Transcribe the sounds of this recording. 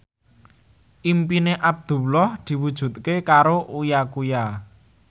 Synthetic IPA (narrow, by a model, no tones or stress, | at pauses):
ʔimpineʔab̚d̪̥ṳwlɔhd̪̥i̤wud̥ʒ̥ṳt̪̚kekaɾoʔujakuja